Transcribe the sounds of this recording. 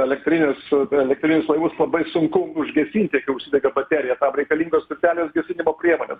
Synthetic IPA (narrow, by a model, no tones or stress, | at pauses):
ɛlʲɛkt̪ʲɾʲɪnʲɪsɛlʲɛk̚t̪ʲɾʲɪnʲʊslˠɐɪʋʊslˠɐbɐɪsʊŋkʊʊʒʲɡʲɛsʲiːnt̪ʲɪɛkʲɐɪʊʃʲsʲid̪ʲɛɡʲɐbɐt̪ʲæːɾʲɪjɛt̪ɐmɾʲɛɪkɐlʲiːŋɡoːst̪ʲɪt̪ʲæːlʲoːsɡʲɛsʲɪnʲɪmoːpʲɾʲiɛmoːnʲḛs